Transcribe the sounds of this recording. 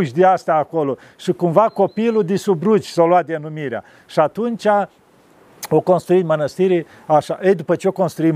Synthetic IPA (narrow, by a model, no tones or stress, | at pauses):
ʃʲd̪east̪aːko̞lo | ʃikumvako̞pilud̪isubɾut͡ʃʲsaloat̪d̪enumiɾea̰ | ʃiat̪unt͡ʃʲa | okonst̪ɾuit̪mənəst̪iɾe | aʃaʔəjd̪upət͡ʃeoko̞nst̪ɾui